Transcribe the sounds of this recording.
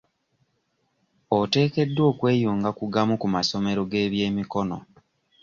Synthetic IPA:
ote̞ːke̞dːwo̞ːkwe̞ːjuːŋɡakuɡamukumaso̞meɾo̞ɡe̞ːβje̞ːmiko̞no̰

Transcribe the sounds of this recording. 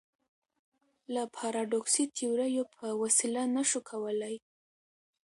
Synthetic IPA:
lapʰɑɾɑɖoksit̪ʰiwɾajopʰəwasilanaʃukʰawəlaj

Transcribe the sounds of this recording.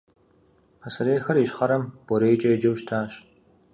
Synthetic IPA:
pʰɐsɐɾeːxɐriʃχɐɾɐmb̥ɔɾeːjt͡ʃʼɐjd͡ʒɐwʃtʰaːʃ

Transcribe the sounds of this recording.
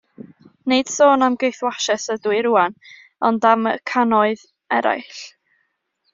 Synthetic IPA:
neɨd̥soːnamɡejθwaʃɛsədwɨɾuan | ɔndaməkʰanɔɨð | ɛɾa̰jɬ

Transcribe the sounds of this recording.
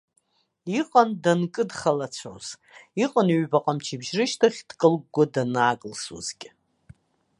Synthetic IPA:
iqʼandankʼɨdχalat͡ɕʷʰo̰z̥ | iqʼanɥbaqʼamt͡ʃʰibʒrɨʃtʰaχʲd̥kʼɨlɡ̚ɡʷadanaːɡʼɨlsṵzkʲʼ

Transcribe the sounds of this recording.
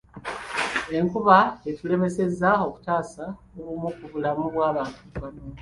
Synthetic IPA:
e̞ŋkuβaetule̞me̞se̞zːao̞ku̥taːsa | oβumukuβulamuβwaːβaːntuβano

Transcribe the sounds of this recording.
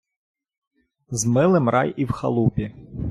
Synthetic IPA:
zmɪlˠɪmrʔɑjiwxɐ̰lˠupʲi

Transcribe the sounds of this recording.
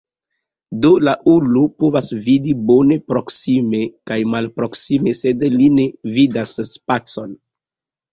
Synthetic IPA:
dolaʔulupovasvidibone̞pɾo̞ksime̞kajmalpɾo̞ksime̞se̞dline̞vidasspat͡so̞n

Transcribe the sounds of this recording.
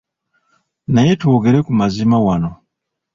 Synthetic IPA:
naje̞twoːɡe̞ɾe̞kumazimawano

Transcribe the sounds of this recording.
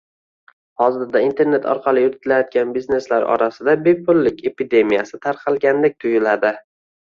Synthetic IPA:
hɒzɪɾd̪aint̪ʰe̞ɾne̞t̪ʰɒ̰ɾqʰɑlˠɪjʊɾɪt̪ʰɪlajɒt̪̚ɡʲanbizne̞slaɾɒ̰ɾasɪd̪abe̞pʰʊlːɪkʲe̞pid̪e̞mijasɪt̪ʰaɾqʰɑlˠɡʲanlɪk̚ʲt̪ʰʊjɪlad̪ɪ

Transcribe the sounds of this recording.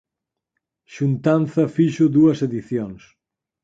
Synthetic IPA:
ʃunt̪anθɐfiʒud̪uɐzeðiθjons

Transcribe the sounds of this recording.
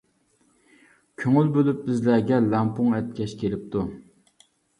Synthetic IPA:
kʲʰøŋylbølyp̚bɪzlæɡʲɛlæmpuŋɛt̪̚kʲʰɛʃkʲʰelɪp̚t̪ʰu

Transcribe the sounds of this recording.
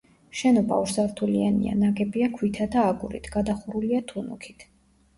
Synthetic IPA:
ʃɛnɔba̰uɾsaɾt̪ʰulianḭa̰naɡɛbiakʰwit̪ʰad̪aːɡuɾḭt̪ʰɡ̥ad̪aχuɾuliat̪ʰunṵkʰi̥t̪ʰ

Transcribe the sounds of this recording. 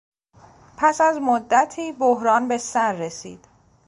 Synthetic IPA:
pʰæsæzmod̪ːæt̪ʰiːboɦɾɒːnbe̞sæɾːe̞sḭːd̪̥

